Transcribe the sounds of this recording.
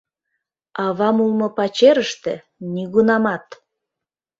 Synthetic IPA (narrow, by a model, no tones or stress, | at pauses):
ɑβɑmulˠmŏpɑt͡ɕeɾəʃt̪ḛ | niɣunɑmɑt̪